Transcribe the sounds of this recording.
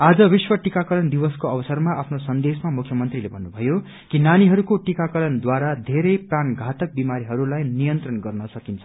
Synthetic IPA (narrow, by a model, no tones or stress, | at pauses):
ad͡zʌbiswʌʈikakʌɾʌnd̪ibʌskoʌbʌsʌrmaʔapʰnosʌnd̪esmamukʰjʌmʌnt̪rilebʱʌnːubʱʌjo | kinaniɦʌɾukoʈikakʌɾʌnd̪waɾad̪ʱeɾʌjpranɡʱat̪ʌk̚bimaɾiɦʌɾulajnijʌnt̪rʌnɡʌrnʌsʌkint͡sʰʌ